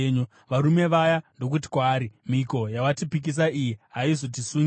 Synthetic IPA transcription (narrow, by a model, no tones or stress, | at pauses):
ɲo | ʋaɾume̞ʋajando̞k̬ut̬i̥kwaːɾimiko̞jawatipik̬is̬aʔijiɦaizo̞t̬isuːn